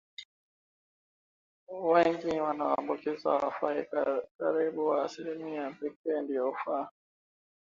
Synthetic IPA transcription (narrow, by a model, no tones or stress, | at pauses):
wɛŋɡiwanawambukizwa̰wafakaɾiɓuwaːsiɾimijabik̚ɛndijɔufa